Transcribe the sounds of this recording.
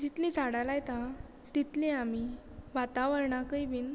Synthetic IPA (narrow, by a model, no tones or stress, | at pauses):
d͡ʑit̪lĩd͡zʱaɽalajt̪a | t̪it̪lĩami | ʋat̪aʋəɾɳakəjbiːn